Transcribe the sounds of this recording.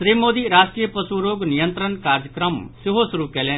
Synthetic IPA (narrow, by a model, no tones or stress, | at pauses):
sɾimoːd̪iɾaːsʈijəpəsuɾoːɡnijənt̪ɾənkaɾjəkɾəmseɦosuɾukɛle